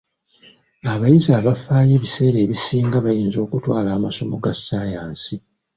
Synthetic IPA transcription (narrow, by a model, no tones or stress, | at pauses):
aβajizaːβafaːje̞ːβise̞ːɾe̞ːβisiːŋɡaβajiːnzo̞ːkutwaːlaːmaso̞moɡasːaːjaːnsi